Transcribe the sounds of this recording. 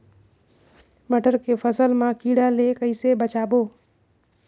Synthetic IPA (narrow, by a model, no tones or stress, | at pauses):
məʈʰəɾkepʰəsəlmãkiːɽalekəɪisebət͡ʃaːbo